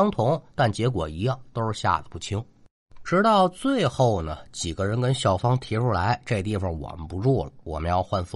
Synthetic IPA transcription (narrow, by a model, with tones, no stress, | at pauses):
ŋt̪ʰʊ˧˥ŋt̪a˥˩nt͡ɕjɛ˧˥kwɔ̰˨˩i˧˥jɑ˥˩ŋt̪o˥ʊʂ̩˥˧ɕja̰˥˧də˧˩pu˥˩t͡ɕʰi˥ŋ | ʈ͡ʂɻ̩˧˥t̪ɑ˥˧ʊt͡swe˥˧ɪxo˥˩ʊnə˩t͡ɕi˨˩ɡə˦ɻə˧˥nkə˥nɕjɑ˥˩ʊfɑ˥ŋt̪ʰi˧˥ʈ͡ʂʰu˥la˧˥ɪʈ͡ʂe˥˧t̪i˥˩fɑ˨˩ŋwɔ̰˨˩mə˦npu˧˥ʈ͡ʂwɔ˥˩ləwɔ̰˨˩mə˦njɑ˥˧ʊxwa˥˧nf